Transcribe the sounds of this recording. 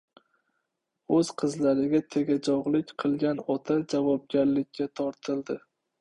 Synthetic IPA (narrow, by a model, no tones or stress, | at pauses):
ɵz̥qʰɨzlaɾɪɡʲat̪ʰe̞ɡʲad͡ʒɒʁlɪkʲqʰɨlˠɡʲanɒt̪ʰad͡ʒavɒb̚ɡʲaɾlɪkʲʰːat̪ʰɒɾt̪ʰɪlˠd̪ɪ